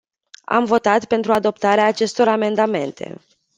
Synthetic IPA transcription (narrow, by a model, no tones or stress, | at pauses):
a̰mvo̞t̪at̪pe̞nt̪ɾuad̪o̞pt̪aɾeaːt͡ʃe̞st̪o̞ɾame̞nd̪ame̞nt̪ʰe̞̰